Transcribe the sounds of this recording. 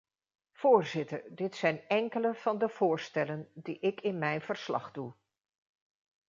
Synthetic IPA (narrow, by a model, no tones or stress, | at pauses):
v̥ʊːɹzɪtəɹdɪtsɛjnɛŋkələv̥ɑndəv̥ʊːɹstɛləndiʔɪkɪnmɛjnv̥əɹslɑ̰χdu